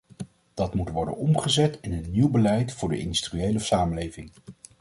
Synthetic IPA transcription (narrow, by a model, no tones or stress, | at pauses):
d̥ɑtmutʋɔɹdə̰nɔmχəzɛtɪnənːiwbəlɛjtfʊːɹdə̰ʔɪ̰ndystriejləsaːməlejvɪŋ